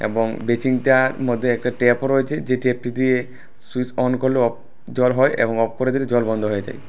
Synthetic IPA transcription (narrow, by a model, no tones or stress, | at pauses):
ḛbɔŋbet͡ɕiŋʈaɾmod̪ʱːeɛk̚ʈaʈepɔɾojet͡ɕʰed͡ʑeʈep̚ʈid̪ie | susɔnkoɾleɔ | d͡ʒɔlɦɔeʔḛbɔŋɔp̚koɾed̪iɾed͡ʑɔlbɔnd̪ʱoɦoed͡ʑa̰e